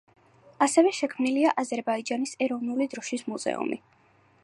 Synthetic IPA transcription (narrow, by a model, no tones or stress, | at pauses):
asɛvɛʃɛkʰmniliaʔazɛɾbaid͡ʒanisɛɾɔvnulid̪ɾɔʃismuzɛ̰ṵmḭ